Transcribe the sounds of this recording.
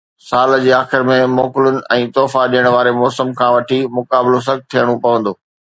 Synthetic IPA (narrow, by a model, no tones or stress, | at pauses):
saːld͡ʑeːaːxɪɾmẽmɔːkɪlʊnɪ̆ɛ̃ːt̪ɔːfaɗiːəɽ̃ʋaːɾemɔːsəmkʰãːʋɐʈʰimʊkaːbɪlos̬ɐɡ̚t̪ʰijəɽ̃ũpɐʋə̃nd̪oː